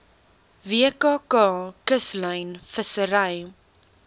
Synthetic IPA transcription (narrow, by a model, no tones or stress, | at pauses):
viəkɑːkɑːkəslœjnfəsəɾɐj